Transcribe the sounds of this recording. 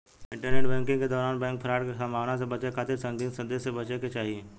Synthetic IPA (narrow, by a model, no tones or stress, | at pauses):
ɪ̃ɳʈəɾneːʈbɛ̃ːŋkɪ̃ŋked̪ɔːɾaːnbɛ̃ːŋk̚pʰəɾaːɽkesɐmbʱaːʋnasebɐt͡ʃekʰaːt̪ɪɾsɐ̃ŋd̪iːnsə̃nd̪esebɐt͡ʃeket͡ʃaːɦieː